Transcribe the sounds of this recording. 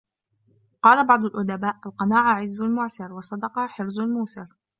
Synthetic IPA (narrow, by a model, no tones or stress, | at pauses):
qɑːlabɑʕd̪ˤʊlʔʊd̪abaːʔʔalqɑnaːʕaʕɪzːʊlmʊʕsɪɾwɑsˤɑd̪ɑqɑħɪɾzlmuːsɪɾ